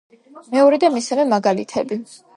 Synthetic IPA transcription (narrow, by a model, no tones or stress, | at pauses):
mɛɔɾid̪amisavɛmaɡalḭt̪ʰɛbi